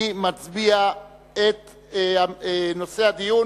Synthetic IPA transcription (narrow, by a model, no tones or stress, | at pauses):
imat͡sbia | et̪ | ano̞se̞had̪iju